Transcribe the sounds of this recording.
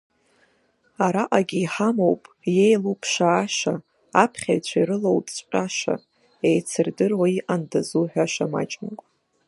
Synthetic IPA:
aɾaʔaɡʲiːħamowpʼ | jejlupʰʃaːʃa | apʰχʲajt͡ɕʷʰaiɾɨlowtʼʷqʼaʃa̰ | ejt͡sʰɨrdɨrwaiʔandazuħᶣʷaʃama̰t͡ʃʼmakʷʼ

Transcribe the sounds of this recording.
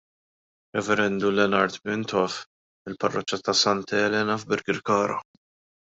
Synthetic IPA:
ɾɛvɛɾɛnd̪ulɛnɐɾt̪mɪnt̪ʰɔf | ɪlpɐrːɔt͡ʃːɐt̪ɐsɐnt̪ɛːlɛːnɐvbɪɾɡɪɾkɐːɾɐ̰

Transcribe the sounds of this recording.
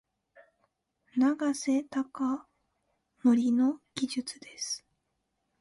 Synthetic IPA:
naɡase̞t̪aka | moɾʲino̞ɡ̥ʲiʑɨt͡sɨd̪e̞sɨ̥

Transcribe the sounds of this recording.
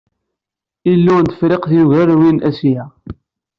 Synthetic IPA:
ilːunt̪ə̥fɾeqθjuʝærwinʔæsjæ

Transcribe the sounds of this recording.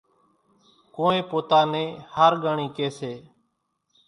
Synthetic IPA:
koːẽːpoːt̪aːnẽːhaːɾɡaːɳiːkeːseː

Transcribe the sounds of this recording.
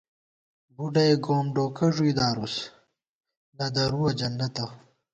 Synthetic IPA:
buɖɐjɡoːmɖoːkʰɐʐuid̪aːɾus | nɐd̪ɐɾuwɐd͡ʑɐnːɐt̪ɐ

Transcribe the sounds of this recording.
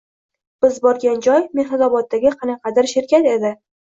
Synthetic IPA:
b̥ɪzbɒɾɡʲand͡ʒɒjmehnazɒbɒt̪̚ːaɡʲɪqʰɑnɑqʰɑd̪aɾʃɪɾkʲat̪e̞d̪ɪ

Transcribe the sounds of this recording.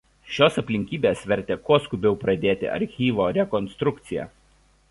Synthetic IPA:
ʃʲoːsɐpʲlʲɪŋʲkʲiːbʲeːsʋʲɛɾʲt̪ʲeːkuɔskʊbʲɛʊpɾɐd̪ʲeːt̪ʲɪ̰ʔɐ̰ɾʲxʲiːʋoːɾʲɛkɔnst̪ɾʊk̚t̪sʲɪjɛ̰ː

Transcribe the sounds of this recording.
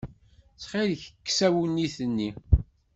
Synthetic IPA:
sχiðəçəkːsæwunːiθənːi

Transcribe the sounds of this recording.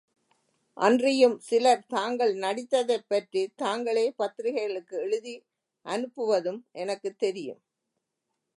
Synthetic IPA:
ʔɐ̰ndrɪjɯmsɪlɐɾt̪aːŋɡɐɭnɐɽɪt̪ːɐðɐɪpːɐʈrit̪aːŋɡɐɭeːpɐt̪ːɾɪɣɐɐɭɯkːɯɛɻɯði | ʔɐnɯpːɯʋɐðɯmʔɛnɐkːɯt̪ːɛɾɪjɯ̰m

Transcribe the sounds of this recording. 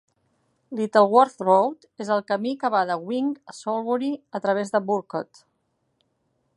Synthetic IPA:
lit̪əlˠwɔɾθrowt̪ezəlˠkəmikəβaðəɣwiŋəsolˠβuɾiət̪ɾəβ̞ezðəbuɾkot̪

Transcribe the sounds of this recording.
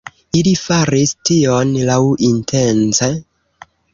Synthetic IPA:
ilifaɾistionlawintʰent͡se

